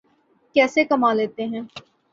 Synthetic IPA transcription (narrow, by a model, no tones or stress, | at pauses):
kɛːsekɐmaːleːt̪eɦɛ̃ː